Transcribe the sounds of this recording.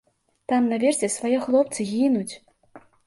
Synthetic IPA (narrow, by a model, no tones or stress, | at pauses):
t̪amnavʲɛrsʲɛsvajɛxlˠɔp̚t̪sɨɣʲinut͡sʲ